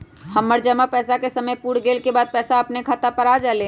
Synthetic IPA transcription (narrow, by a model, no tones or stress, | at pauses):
həmːəɾd͡ʒəmapɛːsakesəməjpuːɽɡeːlkebaːd̪̚pɛːsaəpnekʰat̪apəɾaːd͡ʒaːle